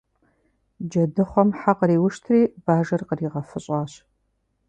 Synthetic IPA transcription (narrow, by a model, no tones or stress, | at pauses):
d͡ʒɐdɨχʷɔmħaqəɾiːwʊʃtʰriːbaːʒɐrqəriːʁɐfɨɕʼɑːɕ